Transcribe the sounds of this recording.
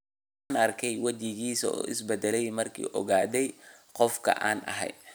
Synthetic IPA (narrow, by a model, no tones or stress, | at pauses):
aːnɐrkʰɛjwɐt͡ʃɪɣiːsɔ̰ɪ̰sbɛd̪ɛlɛjmɐrkʰḭːʔɔ̰ɣaːd̪ɛjqɔfkʰɐ̰ʔaːnʔɐ̰ɦɛ̰j̪